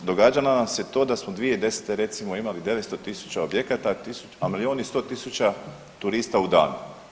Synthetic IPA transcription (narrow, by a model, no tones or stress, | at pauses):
d̪o̞ɡaːd͡ʒananamset̪o̞ːd̪asmod̪ʋije̞d̪e̞se̥t̪eɾe̞t̪simo̞imalid̪e̞ʋet̪st̪o̞t̪isu̥t͡ɕao̞bje̞kat̪at̪isuamilio̞ːnist̪o̞ːt̪isut͡ɕa | t̪uɾist̪aud̪a̰ːnṵ